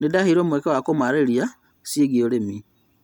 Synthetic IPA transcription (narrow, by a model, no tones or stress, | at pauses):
nedahiɾoːmwekewakomaɾeɾia | sieɣioɾemi